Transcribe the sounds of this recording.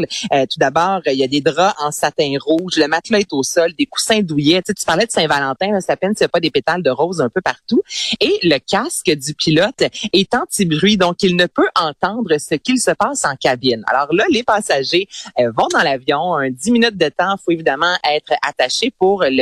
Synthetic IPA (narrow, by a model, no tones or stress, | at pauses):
løt̪ud̪abɑːʁəijad̪ed̪ʁɑʔɑ̃sat̪ɛ̃ʁuːʒləmat̪lɔɛt̪osɔld̪eku̥sɛ̃d̪ujɛt͡set͡s̪y̥paʁlɛd̪əsɛ̃valɑ̃t̪ɛ̃ləse̥t̪apɛnsijapʌd̪epet̪ald̪əʁɔːzœ̃pøpaʁt̪ueləkʲaskʲəd̪ypilɔt̪ɛt̪ɑ̃t̪ibʁɥid̪ɔ̃kilnəpøʔɑ̃t̪ɑ̃d̪ʁəsəkʲilsəpaːsɑ̃kʲabɪna̰lɔːʁlʌlepɑːsaʒeəvɔ̃d̪ɑ̃lavjɔ̃ɛ̃d̪iminyt̪̚d̪ət̪ɑ̃foevid̪amɑ̃ʔɛːt̪χat̪aʃepuʁl